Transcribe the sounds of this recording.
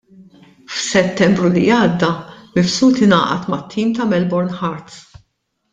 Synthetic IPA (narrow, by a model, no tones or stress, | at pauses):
fsɛt̪ːɛmbɾulijɐːd̪ːɐmɪfsuːt̪ɪnɐ̰ːʔɐ̰t̪mɐt̪ʰːiːmt̪ɐmɛlbɔɾnħɐɾt̪s